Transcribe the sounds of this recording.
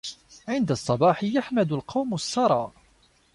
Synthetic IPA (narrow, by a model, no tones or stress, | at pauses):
ʕɪnd̪asˤːɑbɑːħɪjaħmad̪ʊlqɑwmʊsːɑɾˤɑːʔ